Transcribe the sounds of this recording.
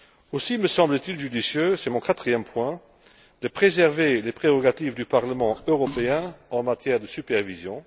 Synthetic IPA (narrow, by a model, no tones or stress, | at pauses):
osiməsɑ̃blət̪ilʒyd̪isjøsɛmɔ̃kat̪χijɛmpwɛ̃ | d̪̥əpχezɛʁvelepχeʁɔɡat̪ivd̪ypaʁləmɑ̃øʁɔpeɛ̃ɑ̃mat̪jɛːʁd̪əsypɛʁvizjɔ̃